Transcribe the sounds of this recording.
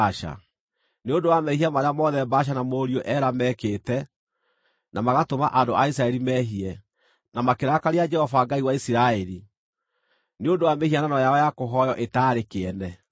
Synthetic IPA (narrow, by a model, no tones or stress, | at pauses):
aʃa̰ | neondowamɛhiamaɾeamɔðɛbaʃ̬anamoːɾioʔɛɾamɛkeːtɛ | nʔamaɣatomaʔandoʔaisɾaɛɾimɛɦiɛ | namakeɾakaɾead͡ʒɛhɔvaɡaiwaisiɾaɛɾi | neondowamehiananɔjaɔjakoɦɔjɔʔetaːɾekeɛnɛ